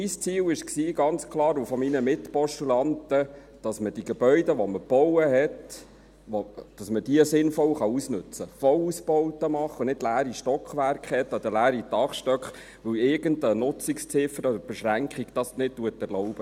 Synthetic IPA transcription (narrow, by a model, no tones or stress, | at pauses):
mist͡siːwɪʃksiːɡɑnt͡skʰlˠɑːɾufɔminəmɪtpɔʃtulɑntə | d̥ɑsməd̥iɡ̥ɛbœʏdəʋɔməb̥ɔwəɦɛt | ʋod̥ɑsməd̥iəsɪnfɔwχɑusnʉt͡səfɔlusbɔwtəmɑχənɪdlæːɾiʃtɔkχʋærkχhɛtːɔd̪əlæːɾitɑχʃtœkχ | ʋɵwɪɾɡ̥əntənʊt͡sikst͡sɪfəɾɔd̪əɾb̥ɛʃɾæŋkʰχiɡ̥d̥ɑsnɪttːuətːɛɾlɔʊb̥ə